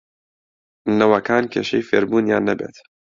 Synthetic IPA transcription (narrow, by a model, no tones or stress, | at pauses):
nɐwɐkʰaːnkʰeːʃejfeːɾbuːnjaːnːɐbḛːt̪